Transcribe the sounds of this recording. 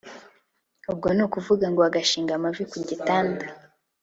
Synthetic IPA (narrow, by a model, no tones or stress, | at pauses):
ub̚ɡo̞nukuvuɡaŋɡoaɡaʃiːŋɡamavikuɟitaːnda